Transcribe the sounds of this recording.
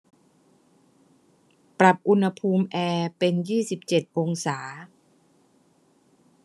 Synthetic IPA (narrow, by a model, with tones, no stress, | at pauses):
pɾa˨˩p̚ʔu˧nha˧pʰuː˧mʔɛː˧pe˧njiː˥˩si˨˩p̚t͡ɕe˨˩t̪̚ʔo˧ŋsaː˩˦